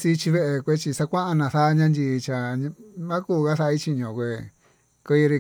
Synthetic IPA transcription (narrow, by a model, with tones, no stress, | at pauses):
si˧t͡ʃi˧βe˦ʔe˧kʷe˦t͡ʃi˧sa˧kʷã˦ʔa˧nã˧˨θa˦˧ɲã˦ndʲi˧t͡ʃa˨ɲ̃˧mã˦kuː˦˨ka˦sa˧i˦t͡ʃi˧ɲõ˨kʷe˧ | kɨ˧˦i˧ɾi˧